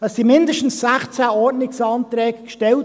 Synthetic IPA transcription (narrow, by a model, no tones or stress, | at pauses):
ɑssimɪndəʃtn̩ssæχt͡sæɔɾtnɪksɑːnt̪ɾɛːɡəkʃtɛl